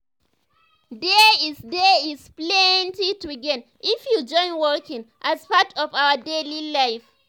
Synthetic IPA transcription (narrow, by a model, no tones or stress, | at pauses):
deisdeisplɛntitiɡɛ̃n | ifjud͡ʒɔ̃ɪ̃nwɔkɪ̃ŋʔazpatʰɔfawədelilaɪf